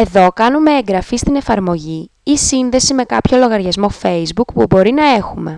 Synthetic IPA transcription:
e̞ðo̞kɐnume̞eŋɡɾɐfist̪ine̞fɐɾmo̞ʝi | isinðe̞sime̞kɐpço̞lo̞ɣɐɾʝɐzmo̞fe̞jzbukpubo̞ɾinɐe̞xume̞

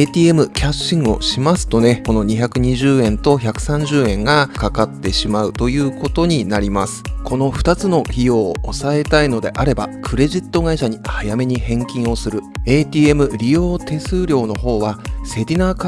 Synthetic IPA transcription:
t̪ʲiːe̞mɯ̟kʲaɕːĩŋɯo̞̰ɕimasɨ̥t̪o̞ne̞ko̞no̞ɲ̟içakɯ̟ɲ̟iʑɨːẽ̞nt̪o̞çakɯ̟̥sãɲ̟d͡ʑɨːẽ̞ŋɡakakat̪ːe̞ɕimaɯ̟t̪o̞jɯ̟ːko̞t̪o̞ɲ̟inaɾʲimasɨ̥kʰo̞no̞ɸɯ̟̥t̪at͡sɨno̞çʲijo̞ːsae̞t̪aino̞d̪e̞ʔaɾe̞bakʰɯ̟ɾe̞ʑit̪ːo̞ɡaiɕaɲ̟ihajame̞ɲ̟ihẽ̞ŋkʲĩɰ̃o̞sɨɾɯ̟e̞ːt̪ʲiːe̞mɯ̟ɾʲijo̞ːt̪e̞sɨːɾʲo̞ːno̞ɦo̞ːβase̞ɾʲinaːk

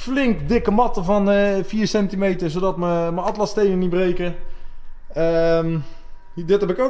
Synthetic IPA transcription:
flɪŋkdɪkəmɔtəvɔnəfiːsɛntimejtəsodɔtməməɑtlɑstejnənibrejkə | əm | dɪthɛpɪko

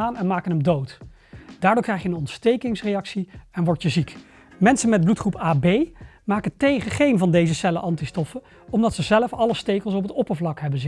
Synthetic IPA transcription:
aːnɛnmaːkənɦəmdowt | d̥aːɹdʊːɹkrɛjχjəənɔntstejkɪŋsrejɑksiɛnʋɔɹtjəzik | mɛnsənmɛd̚blutχrupaːbejmaːkətejχəχejnvɑndejzəsɛləʔɑntistɔfə | ɔmdɑtsəzɛləfɑləstejkəlˠs̬ɔp̬ətɔpəɹvlɑkɦɛbənz

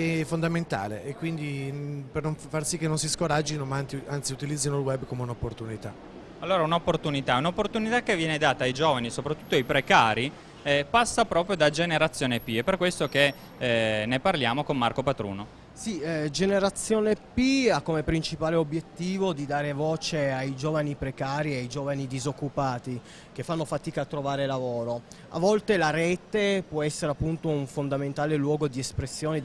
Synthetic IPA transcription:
ɛfond̪ament̪a̰ːlḛʔekːwind̪ipernoɱfarsikːenːonsiskoɾad͡ʒːinomaant̪iant̪siut̪ilid̪zːinolwɛbːkomeunopːort̪unit̪a | alːoːɾaunopːort̪unit̪aunaopːort̪unit̪akːevːjɛːned̪aːt̪aːjd͡ʒoːvanisopɾat̪ːu̥t̪ːoajpɾekaːɾi | ɛpasːapɾɔːpɾjod̪ad͡ʒeneɾat̪sːjoːnepiɛpːerkwest̪ok̟e | neparljaːmokonːa̰rkopat̪ɾṵːno | sid͡ʒeneɾat̪sːjoːnepiakːomepɾint͡ʃipaːleobjet̪ːiːvod̪id̪aːɾevɔːt͡ʃeajd͡ʒoːvanipɾekaːɾieajd͡ʒoːvanid̪izokːupaːt̪i | kefːanːofat̪iːkaːt̪ːɾovaːɾelavoːɾo | a̰vːɔlt̪elaɾɛːt̪epwɔɛsːeɾeapːunt̪ouɱfond̪ament̪aːlelwɔːɡod̪iespɾesːjoːne

